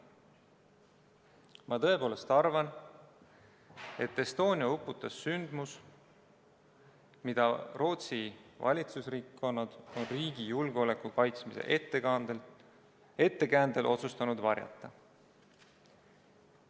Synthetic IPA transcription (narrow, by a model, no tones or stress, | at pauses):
mɑt̪ɤe̞po̞ːle̞st̪ɑrvɑn | e̞t̪ːˑe̞st̪o̞ːnʲiɑupːˑut̪ːˑɑsːynd̪̥mus | mid̪̥ɑro̞ːt̪sivɑ̰lʲit̪susriːkːo̞nːɑd̪̥o̞nriːɡijulɡ̥eo̞le̞kːˑukɑjt̪smise̞̰ʔt̪ːeɑl | e̞t̪ːe̞kæːnd̪elʔo̞̰t̪sust̪ɑnud̪vɑrjɑ̰t̪ːˑɑ